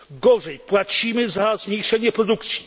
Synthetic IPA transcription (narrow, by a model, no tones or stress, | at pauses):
ɡɔʐɛjpwat͡ɕimɘzazmʲɲejʂɛɲɛpɾɔd̪ukt̪sʲji̥